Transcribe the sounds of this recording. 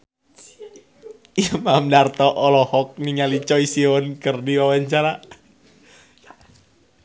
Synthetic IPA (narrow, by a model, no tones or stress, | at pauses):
imamdart̪ɔʔɔlɔhɔk̚niŋalit͡ʃɔisiɔnkərdiwawaɲt͡ʃana